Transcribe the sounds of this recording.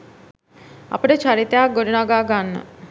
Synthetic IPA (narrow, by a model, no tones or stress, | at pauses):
a̰pəʈet͡ʃaɾit̪jaɡoɾinaɡaːɡanːə̰